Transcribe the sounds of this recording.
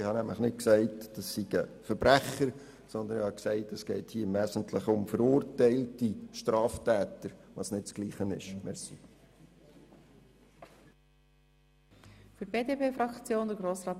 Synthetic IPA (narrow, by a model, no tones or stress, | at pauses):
ɪhɑnæmləχnɪt̚ksæɪtd̥ɑsːiɡəfəɾbɾæχəɾ | sɔnd̪ənɪhɑksɛɪtəsɡ̥ɛɪthiːɾʋæːsən̩tʰləχʊmfəɾʊːrtæɪltiʃtɾɑːftæːtəɾʋɑsnɪtt͡sɡ̥liːχənɪ̰ʃmɛɾsi | fyɾb̥eːdepeːfɾɑkt͡sjoːnd̥̪əɾɡɾoːsrɑː